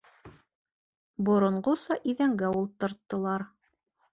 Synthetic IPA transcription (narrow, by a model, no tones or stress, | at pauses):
bŏɾŏɴɢosɑʔiðæŋɡæulˠt̪ːɤ̆ɾt̪ːɤ̆lˠɑɾ